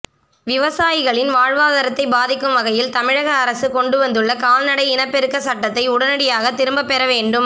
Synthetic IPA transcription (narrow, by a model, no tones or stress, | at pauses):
ʋɪʋɐsaːjɪɣɐɭɪnʋaːɻʋaːðɐɾɐt̪ːɐɪbaːðɪkːɯmʋɐɣɐjɪlt̪ɐmɪɻɐɣɐːɾɐsɯkɔɳɖɯʋɐnd̪ɯɭːɐkaːlnɐɽɐɪɪnɐpːɛɾɯkːɐsɐʈːɐt̪ːɐɪʊɽɐnɐɽɪjaːɣɐt̪ːɪɾɯmbɐpːɛɾɐʋeːɳɖɯm